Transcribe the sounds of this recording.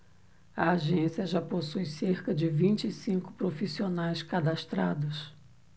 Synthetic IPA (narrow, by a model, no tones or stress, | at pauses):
ɐaʒẽsiɐʒaposujseɾkɐd͡ʒɪvĩnt͡ʃɪːsĩŋkʊ̥pɾofisionajskad̪ast̪ɾad̪ʊs